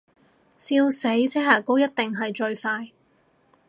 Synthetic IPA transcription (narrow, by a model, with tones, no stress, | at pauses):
siː˧wse˨˥jt͡sɛː˥ɦaː˨˩ko˥wjɐ˥t̚t̪ɪ˨ŋɦɐ˨jt͡ʃɵ˧ɥfaː˧j